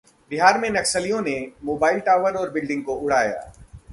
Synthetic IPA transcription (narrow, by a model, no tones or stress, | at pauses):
bɪɦaːɾmẽnɐksəlijõnemoːbaːɪlʈaːʋəɾɔːɾbɪlɖɪ̃ŋɡ̚koʔʊɽ̤aːja̰ː